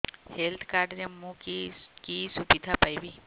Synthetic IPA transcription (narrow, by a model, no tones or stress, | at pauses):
helt̪ʰkaːɾɖɾemũkikisubid̪ʱapajʋi